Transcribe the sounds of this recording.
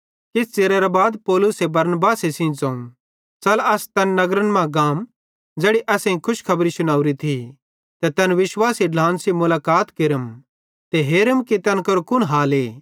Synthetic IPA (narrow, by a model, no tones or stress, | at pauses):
kɪst͡seːɾɛɾabaːd̪pɔːlʊsebɐɾnbaːsesĩt͡sɐ̃ːũ | t͡sɐlɐst̪ɐnːɐɡɾənmãɡaːm | d͡zeːɽiʔɐːsẽĩkʰʊʃkʰɐbɾisʊñaːuɾit̪ʰi | t̪ɛt̪ɐnʋɪʃwaːsiɖlãːnsimʊlaːkaːt̪kɪɾəm | t̪eɦeːɾəmkit̪ɐnkɐɾukʊnɦaːleː